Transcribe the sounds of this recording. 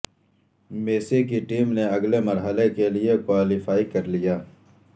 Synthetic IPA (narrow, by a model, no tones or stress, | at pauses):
meːsekiʈiːmneɐɡlemɐɾɦəlekeliekwaːlɪfaːikɐɾlijaː